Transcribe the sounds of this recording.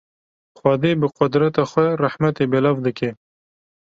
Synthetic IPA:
xwɑːd̪ebəqʊd̪ɾat̪axʷweɾaħmat̪ebelavd̪ɨkʰe

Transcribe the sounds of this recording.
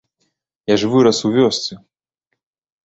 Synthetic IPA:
jaʐvɨɾɐsuvʲɔsʲt̪sʲɨ

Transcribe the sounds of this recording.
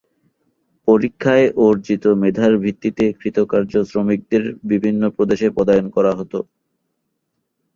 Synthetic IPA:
poɾikʰːaeʔoɾd͡ʑit̪omed̪ʱaɾbʱit̪ːit̪ekɾit̪okaɾd͡ʑosɾomik̚d̪eɾbibʱinːopɾod̪eʃepɔd̪ajonkɔɾaɦɔt̪o

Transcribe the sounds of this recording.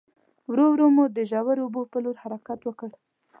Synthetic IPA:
wɾowɾomud̪əʒawaɾobopəloɾhaɾakat̪wəkəɽ

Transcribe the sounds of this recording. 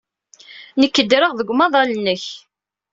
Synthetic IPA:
nəkːəd̪ɾəʁðəɡʷmɑðˤɑlənːəç

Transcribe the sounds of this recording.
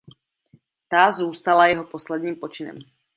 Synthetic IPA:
t̪azuːst̪alajɛɦoposlɛd̪ɲiːmpot͡ʃɪnɛ̰m

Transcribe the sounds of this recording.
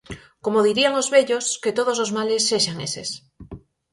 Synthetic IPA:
komoð̞iɾiaŋozβeʎosket̪oð̞os̬ozmalesːeʃaŋesḛs

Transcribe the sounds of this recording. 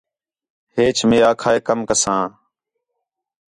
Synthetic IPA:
heːt͡ʃʰmẽːaːkʰaːeːkəmkəsãː

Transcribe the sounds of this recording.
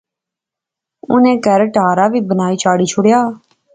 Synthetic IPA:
ʊ̰nẽːkəɾʈaːɾaːʋiːbənaːiːt͡ʃʰaːɽiːt͡ʃʰʊɽjaː

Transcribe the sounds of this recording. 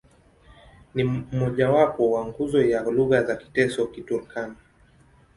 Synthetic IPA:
nim̩mɔʄawapɔwaŋɡuzɔjaluɣazaki̥tɛsɔkituɾkʰani

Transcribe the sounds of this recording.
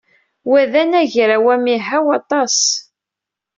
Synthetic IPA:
wæðænæʝɾawæmiɦæwɑt̪ˤɑs

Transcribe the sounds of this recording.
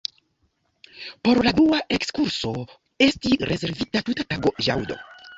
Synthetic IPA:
po̞ɾladuaʔe̞kskuɾso̞ | e̞stiɾʔe̞ze̞ɾvitatutataɡo̞ja̰wdo̞̰

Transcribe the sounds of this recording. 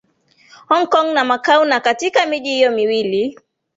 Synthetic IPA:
hɔŋkɔŋnamakawnakatikamiʄihijɔmiwili

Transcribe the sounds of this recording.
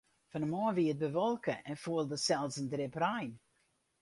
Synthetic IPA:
fənəmɑːviːət̚bəvɔlˠkəʔɛnfuəlˠdəsɛlˠzəndɾɪprajn

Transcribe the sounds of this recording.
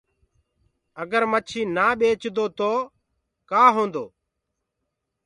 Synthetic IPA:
əɡəɾmət͡ʃʰiːnaːɓeːt͡ʃd̪oːt̪oː | kaːɦõːnd̪oː

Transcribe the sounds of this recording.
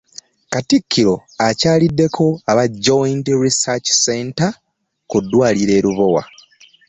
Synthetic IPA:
katikʰːiɾo̞acaːlidːe̞kʰo̞aβaɟːointɾisat͡ʃsenta | kudːwaːliɾe̞ːɾuβo̞wa̰

